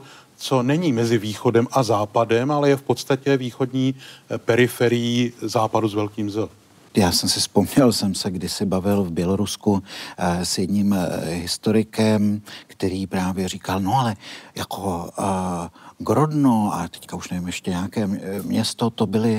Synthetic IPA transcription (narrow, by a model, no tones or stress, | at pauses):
t͡so̞nɛɲiːmɛzɪviːxo̞dɛmʔazaːpadɛmalɛjɛfpot̪st̪acɛviːxodɲiːpɛɾɪfɛɾɪjizaːpaduzvɛlkiːmzɛ | jaːsɛmsɪspo̞mɲɛlsɛmsɛɡdɪsɪbavɪlvbjɛlo̞ɾusku | sjɛdɲimɦɪst̪o̞ɾɪkɛmkt̪ɛɾiːpɾaːvjɛr̝iːkalno̞alɛjakʰo̞ | ɡɾo̞dnoat̪ɛ̥ckauʃnɛvɪmjɛʃcɛɲɛakɛːmɲɛst̪o̞t̪o̞bɪlɪ